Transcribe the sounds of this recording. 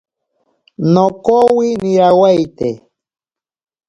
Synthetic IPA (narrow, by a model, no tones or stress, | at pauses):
nokowinɪɾawajt̪e